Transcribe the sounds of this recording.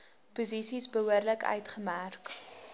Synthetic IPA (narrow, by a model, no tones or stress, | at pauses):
puzisisbəɦuərləkœ̰ɥtχəmærk